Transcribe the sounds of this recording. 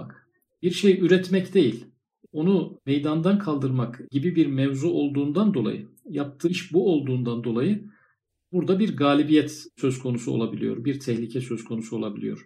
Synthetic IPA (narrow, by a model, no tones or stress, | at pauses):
bak | biɾʃejyɾɛt̪mɛcd̪e̞jilʲ | o̞numejd̪and̪ankʰalˠd̪ɯɾmakɟ̥ibibiɾmɛvzuo̞lˠd̪uːnd̪and̪o̞lˠa̰jɯ | jap̚t̪ʰɯʃbuo̞lˠd̪uːnd̪and̪o̞lˠajɯ | buɾd̪abiɾɡaːlʲibijɛt̪søzkʰo̞nusuo̞̰lˠabilʲijo̞̰ɾbiɾt̪ʰɛhlʲicʰɛsø̞zkʰo̞nusuo̞lˠabilʲijo̞̰ɾ̥